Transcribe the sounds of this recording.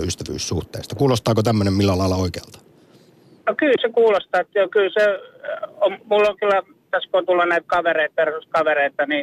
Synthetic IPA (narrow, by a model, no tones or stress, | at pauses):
yst̪æʋy̰ːssuht̪ḛˑːst̪ɑkuːlost̪ɑːkot̪æmːønemmilːælɑilɑoikeɑlt̪ɑ̥ | nokylsekuːlost̪ɑːt̪ːjokylse | ommulːoŋkylːˑæ | t̪æskoont̪ulːɑnæit̪̚kɑʋereit̪̚persuskɑʋereit̪ɑni